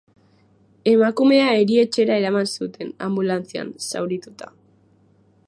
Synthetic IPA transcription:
e̞makume̞aeɾie̞t͡ʃe̞ɾae̞ɾamansut̪e̞na̰mbulant͡sia̰nsa̰wɾit̪ut̪a

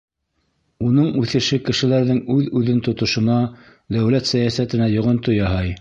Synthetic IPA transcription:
unɤɴʉθɘ̆ʃɘkɘ̆ʃɘ̆læɾðɘŋʉðʉðɘnt̪ŏt̪ŏʃɤ̆nɑ | d̪æwlæt̪sæjæsæt̪ɘ̆næjŏʁɤ̆nt̪ojɑhɑj

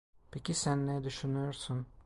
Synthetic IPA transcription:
pʰecʰisænːɛd̪yʃynyjoɾsun

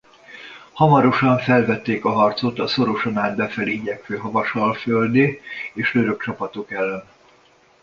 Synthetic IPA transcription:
hɒmɒɾo̞ʃɒɱfɛlvɛt̪ːeːkɒɦɒrt̪so̞t̪ɒso̞ɾo̞ʃonaːd̪̚bɛfɛliɟɛkføːɦɒvɒʃɒlføld̪eːeːʃløɾø̞k̚t͡ʃɒpɒt̪o̞kɛlːɛn

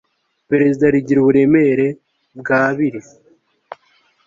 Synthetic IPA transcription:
pe̞ɾe̞zidaɾiɟiɾuβuɾe̞meɾe̞ | b̚ɡaːβiɾi

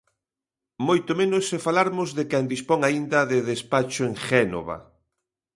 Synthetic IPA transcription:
mojt̪omẽnʊsːefalaɾmʊzðekɛnd̪ispoŋaind̪ɐðeðespat͡ʃʊeŋʃɛno̰βɐ̰

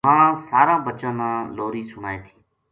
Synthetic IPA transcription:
ɦãːsaːɾãːbət͡ʃãːnãːloːɾiːsʊɽaːeːt̪ʰĩː

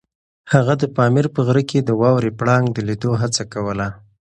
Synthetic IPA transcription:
haɣad̪əpɑmiɾpəɣɾəked̪əwɑwɾepɽɑŋɡd̪əlid̪oɦat͡sakawəla

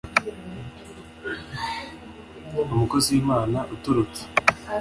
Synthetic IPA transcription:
umukoziːmaːnaʔutuɾut͡se̥

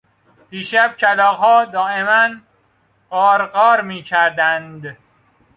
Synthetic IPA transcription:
b̥iːʃæb̚cʰælɒːʁhɒːd̪ɒːemæn | ɢɒːɾɢɒːɾmiːcʰæɾd̪ænd̪

